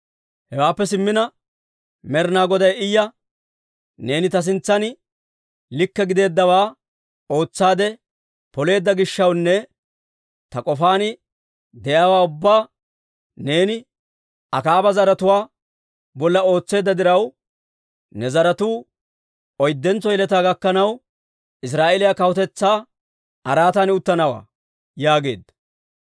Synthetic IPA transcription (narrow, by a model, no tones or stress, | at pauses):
hɛwaːpːɛsɪmːɪnɐ | mɛɾnaːɡɔd̪ɐjɪjːɐ | ne̞ːnɪt̪ɐs̬ɪnt͡sːɐn | lɪkːɛɡɪd̪e̞ːd̪ːɐwaː | o̞ːt͡sːaːd̪ɛ | pɔle̞ːd̪ːɐɡɪʃːɐwnːɛ | t̪ɐkʼɔfaːnɪ | d̪ɛjaːwaːʊbːaː | ne̞ːnɪ | ɐkaːbɐzɐɾɐt̪ʊwaː | bɔlːɐo̞ːt͡sːe̞ːd̪ːɐd̪ɪɾɐw | nɛzɐɾɐt̪uː | ɔjd̪ːɛnt͡sːɔjɪlɛt̪̬aːɡɐkːɐnɐw | ɪs̬ɾaːʔelɪjakɐwɔt̪ɛt͡sːaː | ɐɾaːt̪ɐnʊt̪ːɐnɐwa̰ː | jaːɡe̞̰ːd̪ːɐ